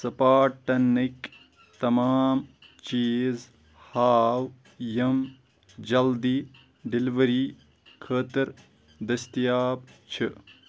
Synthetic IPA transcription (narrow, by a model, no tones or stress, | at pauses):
sɐpaːʈːɐnːik | t̪ɐmaːm | t͡ʃiːz | haːw | jɐm | d͡ʒɐld̪i | ɖiliʋɐɾiː | kʰəːt̪ɐɾ | d̪ɐst̪ijaːb̚t͡ʃʰɨ